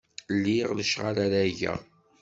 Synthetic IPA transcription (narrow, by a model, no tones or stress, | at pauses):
lːiʁləʃʁaɾaɾæʝæ̰